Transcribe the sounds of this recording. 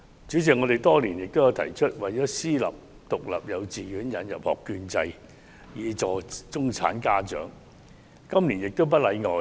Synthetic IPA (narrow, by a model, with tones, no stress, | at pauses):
t͡ʃyː˨˥t͡sɪ˨kŋɔː˨˧ɾe˨jt̪ɔː˥liː˨˩njɪ˨k̚t̪o˥ja˨˧wt̪ʰɐ̰˨˩jt͡ʃʰɵ˥t̚wɐ˨jt͡ɕɔː˨˥siː˥lɐ̰˨p̚ | t̪ʊ˨k̚lɐ̰˨˩p̚jɐ˨˧wt͡siː˨ɥyː˨˥njɐ˨˧njɐ̰˨p̚hɔ̰ː˨˩kːyː˧nt͡sɐ˧j | jiː˨˧t͡sɔː˨t͡sʊ˥ŋt͡sʰa̰ː˨˥nkaː˥t͡ʃœ̰ː˨˥ŋ | kɐ˥mliː˨˩njɪ˨k̚t̪o˥wp̬ɐ˥t̚lɐ˨˧jŋɔː˨